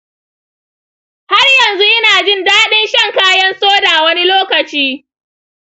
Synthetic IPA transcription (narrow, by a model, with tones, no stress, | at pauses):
ha˦rjɐ˨nzu˦ʔɪ˦naː˨d͡ʒɪ˦ndaː˦ɗɪ˦nʃɐ˦˨ŋkaː˦jɐ˦nsoː˦daː˨wɐ˦ni˦loː˦kɐ˨t͡ʃiː˦